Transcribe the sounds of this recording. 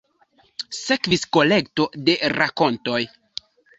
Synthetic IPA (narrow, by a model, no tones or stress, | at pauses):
se̞kvisko̞le̞kto̞de̞ɾako̞nto̞j